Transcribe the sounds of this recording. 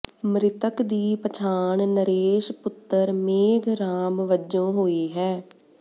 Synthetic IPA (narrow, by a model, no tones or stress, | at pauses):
mɾɪt̪əkd̪iːpət͡ʃʰaːɳnəɾeːʃpʊt̪ːəɾmeːɡɾaːmʋəd͡ʒõːɦoːiːɦɛː